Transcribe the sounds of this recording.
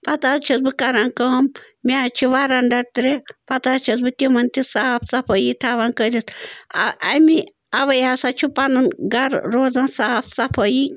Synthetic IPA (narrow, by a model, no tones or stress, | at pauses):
pɐt̪at͡ʃʰɐsbɨkaɾankɐm | mʲat͡ʃʰiʋaɾanɖɐɽt̪ɾepɐt̪at͡ʃʰɐsbɨt̪ʲimɐnt̪isaːpʰt͡sɐpʰəjit̪ʰaʋankəɾʲit̪aɐmi | ɐʋɐjaːsat͡ʃʰupanɐnɡɐɾɾoːd͡zansaːpʰt͡sɐpʰəji